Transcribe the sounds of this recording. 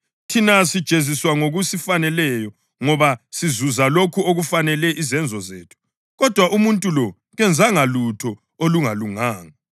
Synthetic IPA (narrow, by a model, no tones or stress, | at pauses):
tʰinasid̥ʒ̥ʱeziswaŋoɣusifanɛlɛjɔ | ŋɔβasizuzalokʰuoɣufanɛlɛʔizɛnd͡zʱɔzeːtʰu̥ | ɣɔd̥ʱwaʔumuntʼulɔ | ɣɛnd͡zʱaŋalutʰɔ | oluŋaluŋaːŋa